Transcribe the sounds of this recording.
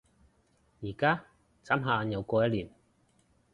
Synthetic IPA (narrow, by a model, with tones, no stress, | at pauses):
jiː˨˩kaː˥ | t͡saː˨˥mɦaː˨˧njɐ˨˧wkɔː˧jɐ˥t̚liː˨˩n